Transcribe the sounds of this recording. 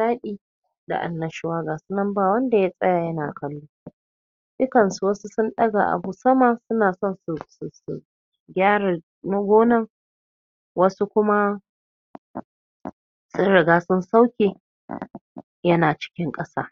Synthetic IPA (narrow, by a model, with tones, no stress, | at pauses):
ʃaː˦ɗiː˦ | da̰˨ʔa̰˨nːɐ˨ʃɪ˦waː˦ɡaː˨sʊ˦nɐ˦mbaː˨wɐ˦nda˨ja˦sʼɐ˦jaː˨jɐ˦na̰ː˨kɐ˦lːuː˦ | ɗʊ˦kɐ˨nsu˨wɐ˦su˦sʊ˦nɗɐ˦ɡa˨ʔa̰˨bu˦sɐ˦maː˨sʊ˦naː˨sɔ˦˨nsu˨ssṵ˨ | ɡʲaː˦ɽa˨ | nɐ˦ɡʷoː˦nɐ˦ŋ | wɐ˦su˦kʷʊ˦ma˦ | sʊ˦nɽɪ˨ɡaː˦sʊ˦nsa˦wkʲeː˨ | jɐ˦naː˨t͡ʃɪ̥˦kʲɪ˦ŋkʼɐ˦sa̰ː˦